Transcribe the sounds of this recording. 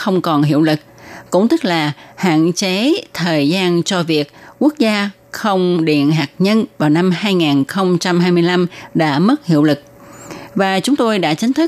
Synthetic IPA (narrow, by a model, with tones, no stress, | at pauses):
xə˧wŋ͡mkɔ˨˩nɦi˧˨əwlɨ˨˩k̚kʊ̰˧˥ŋ͡mt̪ɨ˦˥k̚laː˨˩ha̰ː˧˨nt͡ɕe˨˦t̪ʰəː˨˩jzaː˧nt͡ɕɔ˧vi˨˩ək̚ːu˦˥ək̚zaː˧ | xə˧wŋ͡mɗḭ˧˨ənɦaː˨˩k̚ɲə˧nvaː˨˩wna˧mhaː˧jŋaː˨˩nxə˧wŋ͡mt͡ɕa˧mhaː˧jmɨ˧əjla˧mɗa̰ː˧˥mə˦˥t̚hḭ˧˨əwlɨ˨˩k̚vaː˨˩t͡ɕʊ˨˦ŋ͡mt̪o˧jɗa̰ː˧˥t͡ɕï˨˦ŋ̟t̪ʰɨ˦˥